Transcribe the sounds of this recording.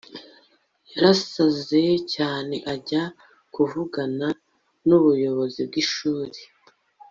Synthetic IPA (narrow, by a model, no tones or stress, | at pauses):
jaɾasaze̞caːne̞ʔaɟa | kuvuɡana | nuβujo̞βo̞zib̚ɡiʃuːɾe